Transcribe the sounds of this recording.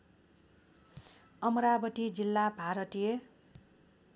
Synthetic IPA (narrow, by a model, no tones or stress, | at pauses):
ʌmɾabʌʈ̪id͡zilːabʱaɾʌt̪ije